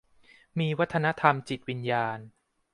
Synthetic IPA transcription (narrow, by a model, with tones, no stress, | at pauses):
miː˧wa˦˥t̪ʰːa˧na˦˥t̪ʰa˧mt͡ɕi˨˩t̪̚wi˧njaː˧n